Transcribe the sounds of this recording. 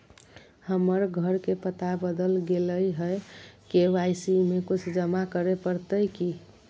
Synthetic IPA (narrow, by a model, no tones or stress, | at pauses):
həməɾɡʱəɾkepət̪abəd̪əlɡeləjɦəjkeʋajsimekut͡ʃʰd͡ʒəmakəɾepəɾt̪əjki